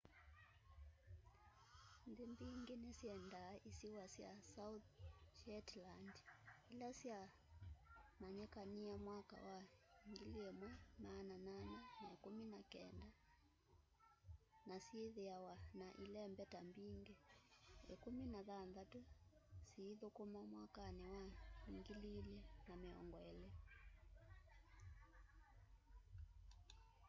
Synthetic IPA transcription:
nðimbiŋɡenɛsiɛndaʔisiwasjasau | ʃɛtlandilasja | maɲɛkaniamwaka̰waŋɡiliɛmwamanananɛnaekuminakɛnda | nasieðɛawanaʔilɛmbɛtambiŋɡɛɛkominaðanðatusiːðokomamwakanɛwaiŋɡililjɛnamɛɔ̰ŋɡɔɛlɛ

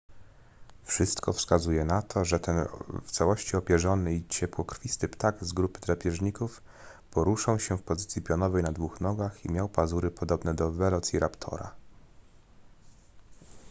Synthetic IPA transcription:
fʂɘst̪kɔfskazujɛnat̪ʰɔʐɛt̪ɛnft̪sawɔɕt͡ɕiɔpʲjɛʐɔnɘit͡ɕɛpwɔkɾfʲist̪ɘpt̪aɡzɡɾupɘ̥t̪ɾapʲjɛʐɲikuf | pɔɾuʂawɕɛfpɔzɘt̪sʲjipʲjɔnɔvɛjnad̪vuxnɔɡaximʲjawpazuɾɘpɔd̪ɔbnɛd̪ɔvɛlɔt̪siɾʔapt̪ʰɔ̰ɾa̰

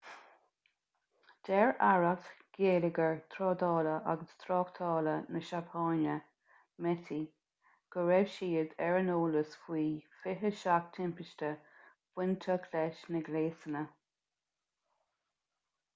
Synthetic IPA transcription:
d̥ɛɹaɹət̪ɡ̥eːlɪɡəɹt̪ʰɾɔːd̪ɑːləʔa̰ɡəst̪ʰɾɔːkt̪ʰɑːlənəʃapʰɑːnə | mɛt̪ʰi | ɡ̥əɹɛvʃiːəd̪ɛɹənoːləsfwiːfɪɦəʃak̚t̪ʰɪmpɪʃtə | b̥wɪnt̪ʰəkʰlɛʃnəɡleːsənə

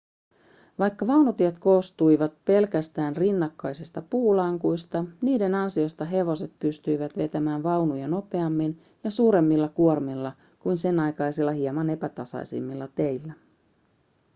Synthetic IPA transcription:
ʋɑjkːɑʋɑwnut̪iet̪ko̞ːst̪ujʋɑt̪̚pe̞lkæst̪æːnrinːɑkːɑjsist̪ɑpuːlɑŋkujst̪ɑniːde̞nɑnsio̞st̪ɑɦe̞ʋo̞se̞t̪̚pyst̪yjʋæt̪ʋe̞t̪æmæːnʋɑwnujɑno̞pe̞ɑmːin | jɑsuːɾe̞mːilːɑkuormilːɑ | kujnse̞nɑjkɑjsilːɑhiemɑne̞pæt̪ɑsɑ̰jsḭmːilːɑt̪e̞jlːæ

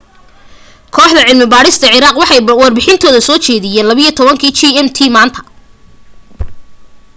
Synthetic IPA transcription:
kʰɔːħd̪ɐʕɪlmɪbaːɽɪst̪ʰɐʕɪɾaːqwɑħɑjwɐrbɪħɪnt̪ʰɔːðɐsɔːt͡ʃɛːðɪjɛːnlɐβiijt̪ʰɔβɐŋkʰiːt͡ʃiɛmt̪ʰiːmaːnt̪ʰɐ̥

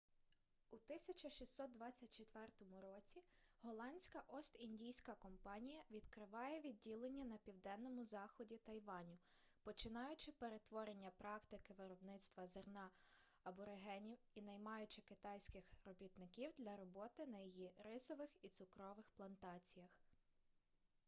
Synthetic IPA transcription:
ut̪ɪsʲɐt͡ʃɐʃʲisːɔt̪̚d̪ʋɑt͡sʲːɐt̚ʲt͡ʃet̪ʋɛrt̪ɔmʊɾɔt͡sʲiɦɔlˠɑnʲsʲkɐʔɔst̪inʲdʲijsʲkɐkɔmpɑnʲijɐʋʲid̪kɾɪʋɑjɛʋʲid̚ʲːilˠenʲːɐnɐpʲiwd̪ɛnːɔmʊzɑxɔdʲit̪ɐjʋɑnʲʊ | pɔt͡ʃɪnɑjʊt͡ʃɪpeɾe̞t̪ʋɔɾe̞nʲːɐpɾɑkt̪ɪkɪʋeɾɔbnɪt̪st̪ʋɐzernɑ | ɐbɔɾeɦɛnʲiw | inɐjmɑjʊt͡ʃɪkɪt̪ɑjsʲkɪxrɔbʲit̪nɪkʲiwd̪lʲɐɾɔbɔt̪ɪnɐjijiɾɪsɔʋɪxit̪sʊkɾɔʋɪxplˠɐnt̪ɑt͡sʲijɐx

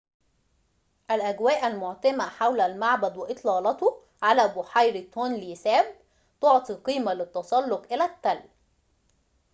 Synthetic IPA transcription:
ʔælʔæɡwæːʔælmʊʕt̪æmæħawlælmaʕbæd̪wɪʔɨt̪ˤlɑːlɑt̪o | ʕalæːbʊħajɾt̪oːnlisæːb̚ | t̪oʕt̪ˤiqiːmælɪt̪ːɑsˤɑlːoqʔɪlæt̪ːæl

